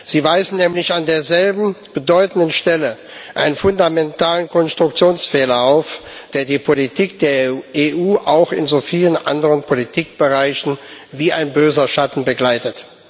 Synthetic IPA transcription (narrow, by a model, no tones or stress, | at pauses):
z̥iːvaɪzn̩nɛːmlɪçandeːɐzɛlbm̩b̥ədɔʏtn̩dənʃtɛlə | ʔaɪnənfʊndamɛntʰaːlənkʰɔnstʁ̥ʊk̚t͡sjoːnsfɛːlɐaʊfd̥eːɐdiːpʰolitʰiːk̚d̥eːɐeːʔuːʔa̰ʊxɪ̰nzoːfiːlənʔa̰ndəʁənpʰolitʰiːk̚b̥əʁaɪçn̩viːaɪnbøːzɐʃatn̩bəɡlaɪtət